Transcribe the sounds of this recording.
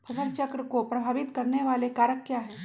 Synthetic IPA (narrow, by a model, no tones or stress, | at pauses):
pʰɐsəɾt͡ʃəkɾəkopɾɐbʱaːʋit̪kəɾneʋalekaːɾəkːjaɦɛː